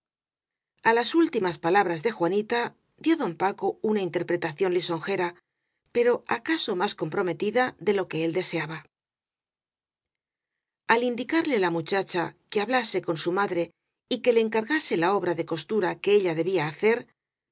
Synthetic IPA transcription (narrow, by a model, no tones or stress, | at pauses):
alasult̪imaspalaβ̞ɾazðe̞xwanit̪a | ðjo̞ðo̞mpako̞unaint̪e̞ɾpɾe̞t̪aθjo̞nliso̞ŋxe̞ɾa | pe̞ɾo̞akaso̞masko̞mpɾo̞me̞t̪iðaðe̞lo̞ke̞e̞ld̪e̞se̞aβa | alind̪ikaɾlelamut͡ʃat͡ʃakeaβlase̞ko̞nsumaðɾe̞ | ike̞le̞ːŋkaɾɣase̞lao̞β̞ɾaðe̞ko̞st̪uɾake̞eʎaðe̞βiaːθe̞ɾ